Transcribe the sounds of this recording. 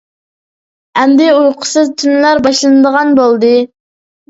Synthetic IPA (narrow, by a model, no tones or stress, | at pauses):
ɛnd̪ɪujqʰʊ̥sɨzt̪ʰynlæɾbɑʃlˠɨnɨd̪əʁɑnbolˠd̪ɨ